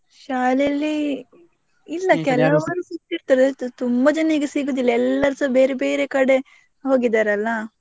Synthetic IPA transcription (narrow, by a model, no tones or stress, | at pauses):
ʃaːlejɐlːi | lːɐkɛlɐɐʋɐnːusit̪ːiɾt̪ɐɾd̪et̪umbɐd͡ʒɐneɡesiɡuːd̪ilːɐɛlːɐɾsɐbe̞ːɾebe̞ːɾekɐɽe̞ | ɦoːɡid̪aːɾɐlːɐ